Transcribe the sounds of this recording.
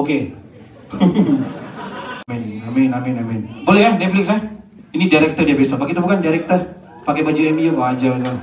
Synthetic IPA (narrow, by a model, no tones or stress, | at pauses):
oke | amɛnamɛnamɛnamɛ̃nbolɛɦahnɛt̪̚flɪk̚sah | inidaɾɛk̚t̪ərdiabesabaʔkit̪abukandaɾɛk̚t̪ər | pakabad͡ʒuɛmiuwaad͡ʒabit̪u